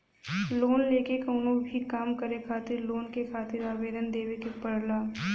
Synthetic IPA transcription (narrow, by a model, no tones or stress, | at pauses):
loːnleːkekoːnõbʱikaːmkəɾekʰaːt̪ɪɾloːnkekʰaːt̪ɪɾaːʋeːd̪ənd̪eːwekepɐɽlaː